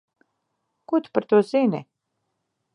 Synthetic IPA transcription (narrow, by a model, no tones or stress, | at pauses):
kut̪u̥paɾt̪uɔz̥inʲɛ